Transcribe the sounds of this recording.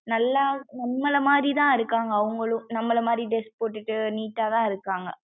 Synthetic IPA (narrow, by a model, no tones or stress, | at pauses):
nɐlːaːnɐmːɐɭɐmaːd̪ɾit̪ãːɪɾɯkːaːŋɡɐːʋɯŋɡɐɭɯ̃nɐmːɐlɐmaːd̪ɾiɖɪspoːʈːɪʈːɯniːʈːaːt̪ãːɪɾɯkːaːŋɡɐ̰